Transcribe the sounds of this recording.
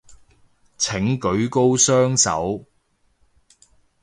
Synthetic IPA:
t͡sʰɪ˨˥ŋkɵ˨˥ɥko˥wsœː˥ŋsɐ̰˨˥w

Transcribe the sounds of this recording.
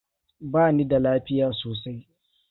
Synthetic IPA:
baː˦niː˦da˨laː˦ɸɪ˦jaː˨soː˨sa˦j

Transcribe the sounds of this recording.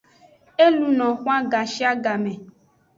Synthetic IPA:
e˦lu˨nɔ̃˨xũ˦a˦ɡa˨ʃi˦a˦ɡa˨mɛ̃˨

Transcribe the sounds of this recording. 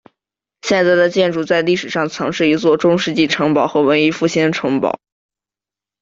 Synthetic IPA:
ɕjɛ˥˧nt͡sa˥˩ɪd̪ə˨t͡ɕjɛ˥˧nʈ͡ʂu˥˩t͡sa˥˧ɪli˥˩ʂɻ̩˨˩ʂɑ˥˩ŋt͡sʰɑ˧˥ŋʂɻ̩˥˩i˧˥t͡swɔ˥˩ʈ͡ʂʊ˥ŋʂɻ̩˥˧t͡ɕi˥˩ʈ͡ʂʰɤ˧˥ŋpɑ˨˩ʊxɤ˧˥wə˧˥ni˧˥fu˥˩ɕɛ˥nʈ͡ʂʰɤ˧˥ŋpɑ̰˨˩˦ʊ

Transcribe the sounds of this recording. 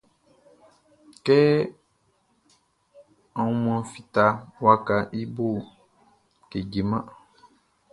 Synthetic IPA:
kɛ˦ | ã˨wũ˦mã˨fi˨t̪a˨wa˦ka˨ʔi˦bo˦˨ | ke˨d͡ʒe˨mã˦

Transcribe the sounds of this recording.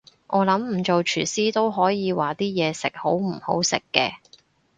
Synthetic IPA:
ʔɔː˨˧lɐ˨˥mm̩˨˩t͡ʃo˨wt͡ʃʰyː˨˩siː˥t̪o˥wɦɔː˨˥jiː˨˧waː˨˩t̪iː˥jɛː˨˧sɪ̰˨k̚ho˨˥wm̩˨˩ho˨˥wsɪ̰˨kːɛ̰ː˧

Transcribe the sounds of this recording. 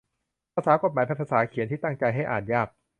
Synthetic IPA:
pʰaː˧saː˩˦ko˨˩t̪̚maː˨˦pʰa˧˥˩pʰa˧˩saː˩˦kʰi˨˩˦nt̪ʰiː˥˩t̪a˥˩ŋt͡ɕa˧jɦa˥˩jʔa̰ː˨˩njaː˥˩k̚

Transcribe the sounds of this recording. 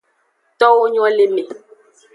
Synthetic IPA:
t̪ɔ˦wo˦ɲ˦ɔ̃˦le˦me˨

